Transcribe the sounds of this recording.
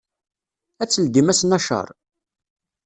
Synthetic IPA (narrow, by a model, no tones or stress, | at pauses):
æt͡sːəld̪imæsnɑʃə̰ɾˤ